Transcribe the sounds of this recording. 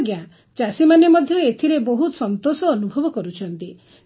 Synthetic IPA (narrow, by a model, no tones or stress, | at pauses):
ɡjã | t͡ʃasimanemɔd̪ʱjɔet̪ʰiɾeboɦut̪sɔnt̪osɔːnubʱɔbɔkɔɾut͡ʃʰɔnt̪i